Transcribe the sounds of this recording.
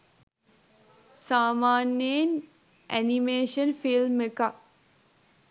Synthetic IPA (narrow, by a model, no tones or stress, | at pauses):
saːmaːnjen | æ̰nimeːʃənfilmeka